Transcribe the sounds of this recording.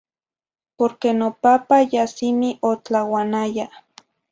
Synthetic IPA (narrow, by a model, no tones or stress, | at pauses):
poɾkenopapajasimiʔot͡ɬawanaja